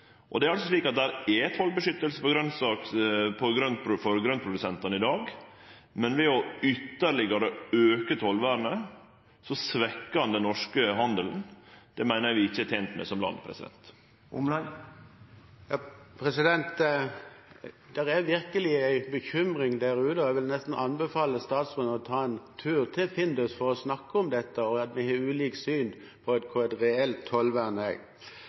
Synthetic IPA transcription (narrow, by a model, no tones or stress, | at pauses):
ʔɔd̪ɛæɾɑlsɔsliːkɑt̪̚d̪æɾɛɛt̪hɔlbəʂʏt̪ːəlsəpɔɡɾœnsɑːkpʰɔɡɾœnt̪pʰɾʊfɔɾɡɾœnt̪pʰɾʊd̪ʉsɛnt̪ɑnəɪd̪ɑːɡ | mɛnʋɛɔʏt̪ːəɾɭɪɡəɾɛøːkət̪hɔlʋæːɾənə | sɔsʋɛkːəɑnd̪ɛnːɔʂkəɦɑnd̪əlnd̪̥ɛmæɪnəʋɪɪçːəæt̪ʰeːnt̪mɛ̰sɔmlɑ̰nd̪pʰɾɛ̰sɪd̪ɛ̰nt̪ | ʊ̰ml | jɑːpʰɾɛsɪd̪ɛnt̪ | d̪̥ɛɾæʋɪɾkəlɪæɪbəçʏmʁɪŋd̪æːɾʉːt̪əɔæʋɪlnɛst̪n̩ʔɑnbɛfɑːləst̪ɑːt̪sʁʉːnəɔt̪ʰɑːɛnt̪ʰʉːʁt̪ʰɪlfɪnd̪ɔsfɔɾɔsnɑkːəɔmd̪ɛt̪ːəɔɑt̪mɪheːʉːliːksyːn | pʰɔɛt̪kʰʊɛt̪ʁɛɛlt̪ʰːɔlʋæʁnɛ̰ɡ